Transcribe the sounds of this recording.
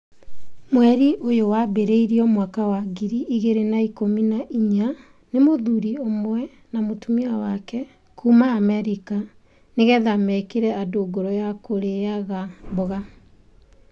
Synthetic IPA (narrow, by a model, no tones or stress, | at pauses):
mwɛɾiʔojowabeɾeiɾiɔmwakawaɡiɾiʔiɣeɾenaikominaʔiɲa | nemoðuɾiomwɛ | namotumiawakɛ | kʰumaːmɛɾika | neɣɛðamɛkeɾɛadoɡoɾɔjakoɾeaɣaboɣa